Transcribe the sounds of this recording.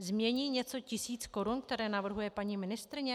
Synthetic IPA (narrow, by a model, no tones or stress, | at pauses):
zmɲɛɲiːɲɛt͡so̞cɪsiːt͡sko̞ɾunkt̪ɛɾɛːnavr̩ɦujɛpaɲiːmɪnɪst̪ɾɪɲɛ